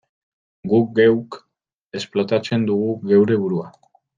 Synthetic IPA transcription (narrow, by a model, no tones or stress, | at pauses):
ɡuk̚ɡewk | e̞splo̞t̪at͡se̞nd̪uɣ̞uɣe̞wɾe̞βuɾua